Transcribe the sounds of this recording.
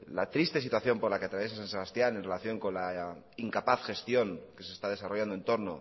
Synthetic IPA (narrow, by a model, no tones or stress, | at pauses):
la̰t̪ɾist̪e̞sit̪waθjo̞mpoɾlakeat̪ɾaβjes̬asanse̞β̞ast̪jane̞nrelaθjo̞ŋko̞nla | iŋkapaθxe̞st̪jo̞ŋke̞sest̪aðe̞saroʝand̪oent̪o̞ɾno̞̰